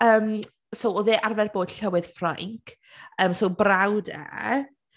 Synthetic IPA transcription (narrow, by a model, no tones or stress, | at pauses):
əːm | sowɔðeːʔarvɛrboːd̥ɬəwɪð̥fra̰ŋkʰ | əːmsowbrawda̰